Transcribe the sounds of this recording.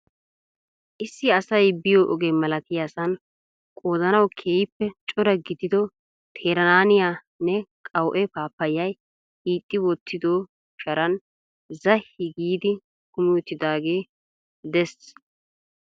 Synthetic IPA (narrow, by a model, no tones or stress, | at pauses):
ʔɪsːɪɐsɐjbɪjoːʔɔɡemɐlɐk̪ɪjasɐn | kʼoːzɐnɐwkʰeːjɪpːɛt͡ʃʼʊɾɐɡɪd̪ɪd̪ɔ | t̪ʰeːɾɐnaːnɪjaː | nɛkʼɐwʔɛpaːpːɐjːɐj | hiːt̪ʼːɪwɔt̪ːɪd̪oː | ʃɐɾɐn | zɐhːɪɡiːd̪ɪ | kʊmwɔt̪ːɪd̪aːɡe̞ː | d̪ɛs